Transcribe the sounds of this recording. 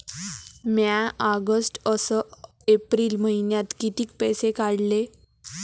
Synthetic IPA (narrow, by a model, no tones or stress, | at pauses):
mjaaɡəsʈəsə | epɾiːlməɦinjat̪kit̪iːk̚pəjsekaɽle